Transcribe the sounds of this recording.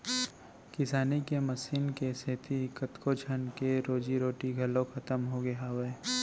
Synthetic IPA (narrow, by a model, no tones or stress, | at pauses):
kɪsaːnikemɐsiːnkeset̪ʰikət̪kod͡ʒʰənkeɾoːd͡ʒiɾoːʈiɡʱɐlõkʰɐt̪əmɦoɡeawe